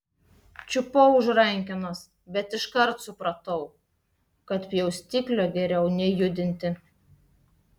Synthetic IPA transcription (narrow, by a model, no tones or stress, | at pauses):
t͡ʃʲʊpoʊʒɾɐŋʲkʲɪnos | bʲɛt̪ɪʃkɐɾt̪sʊpɾɐt̪ɐʊ | kɐt̪pʲjɛʊsʲt̪ʲiːklʲoɡʲɛɾʲɛʊnʲɛjʊd̪ʲɪnʲt̪ʲɪ